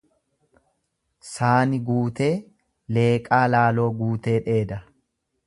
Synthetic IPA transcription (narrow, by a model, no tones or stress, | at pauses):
saːnɪɡuːt̪e̞ː | le̞ːkʼaːlaːlo̞ːɡuːt̪e̞ːᶑe̞ːd̪ɐ